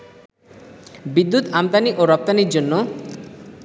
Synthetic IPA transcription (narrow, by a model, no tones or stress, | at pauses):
bid̪ːut̪amt̪aniʔoɾɔp̚t̪aniɾd͡ʑonːo